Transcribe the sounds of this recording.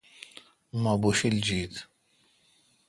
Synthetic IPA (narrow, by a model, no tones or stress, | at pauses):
mabuʃild͡ʒiːt̪